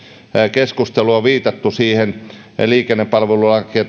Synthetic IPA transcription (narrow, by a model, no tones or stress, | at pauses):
keskust̪eluɑʋiːt̪ɑt̪ːusiːhen | liːkenːeppɑlʋelulɑkiɑ